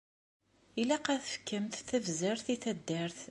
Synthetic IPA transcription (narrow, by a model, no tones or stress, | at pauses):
ilæqæθə̥fkːəmθθəvzəɾθiθæd̪ːəɾθ